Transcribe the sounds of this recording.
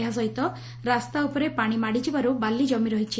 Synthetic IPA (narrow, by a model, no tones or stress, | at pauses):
ɦas̬ɔɦit̪ɔ | ɾast̪aupɔɾepaɽ̃imaɽit͡ʃibaɾubalːid͡ʒɔmiɾɔɦit͡ʃʰi